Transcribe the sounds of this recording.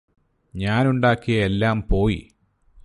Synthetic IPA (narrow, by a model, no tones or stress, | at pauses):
ɲaːnuɳɖaːkːijɐelːaːmpo̞ːjḭ